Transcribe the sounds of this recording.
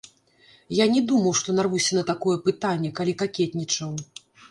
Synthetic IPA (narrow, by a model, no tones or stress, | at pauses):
janʲɛd̪umɐwʂt̪ɔnarvusʲɐnɐt̪akɔjɛpɨt̪anʲːɛkalʲikakʲɛt̪ʲnʲit͡ʂɐw